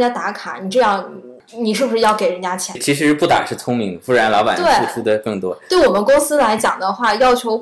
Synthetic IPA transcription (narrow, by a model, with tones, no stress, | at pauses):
t͡ɕja˥t̪a˧˥kʰa̰˨˩˦ni˨˩ʈ͡ʂɤ˥˧jɑ˥˩ŋ | ni˨˩ʂɻ̩˥˩u˧ʂɻ̩˥jɑ˥˩ʊke˨˩ɪɻə˧˥nt͡ɕja˥t͡ɕʰjɛ˧˥t͡ɕʰi˧˥ʂɻ̩˧˥pu˥˩t̪a̰˨˩ʂɻ̩˥˩t͡sʰʊ˥ŋmi˧˥ŋə˧˩fu˥ɻa˧˥nlɑ˧˥ba̰˨˩t̪we˥˩ɪu˥˧ʈ͡ʂʰu˥d̪ə˨kɤ˥˩ŋt̪wɔ̰˥t̪we˥˩ɪwɔ˨˩mə˦nkʊ˥ŋsɹ̩˥la˧˥ɪt͡ɕjɑ̰˨˩ŋd̪ə˦xwa˥˩jɑ˥˩ʊt͡ɕʰjo˧˥ʊ